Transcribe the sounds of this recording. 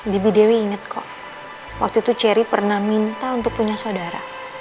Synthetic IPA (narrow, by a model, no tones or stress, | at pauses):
dibidewiːŋət̪̚kʰɔ̰ʔ | wa̰k̚t̪uit̪ut͡ʃɛɾipərnahmint̪aunt̪ʊk̚puɲasodaɾa̰